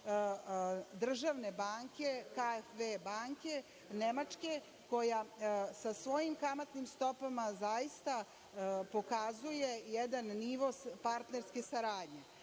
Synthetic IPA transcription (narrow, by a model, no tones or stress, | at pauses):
d̪r̩ʒaʋne̞baːŋkʲe̞kaefʋebaːŋkʲe̞ | nemat͡ʂke̞ | ko̞jasasʋo̞jimkamat̪nimst̪o̞pamazajist̪a | po̞kazuje̞jɛd̪anːiʋo̞spaɾt̪ne̞ɾske̞saɾaːd̪ɲe̞